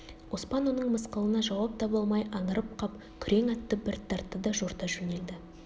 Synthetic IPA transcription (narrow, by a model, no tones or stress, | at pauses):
wo̞spɑnwo̞nəɴməsqəlˠənɑʒɑwɑp̚t̪ʰɑbɑlˠmɑjɑɴəɾəp̚qʰɑp | kʲʰʏɾe̞ŋɑt̪ːəbɪɾt̪ʰːɑɾt̪ːəd̪ɑʒoɾt̪ɑʒɵne̞ld̪ɪ